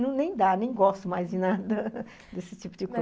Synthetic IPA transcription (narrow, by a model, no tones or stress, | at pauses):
nɐ̃w̃nẽj̃d̪anẽj̃ɡɔst̪ʊmajzd͡ʒɪnad̪ɐ | d̪esɪt͡ʃipʊd͡ʒɪko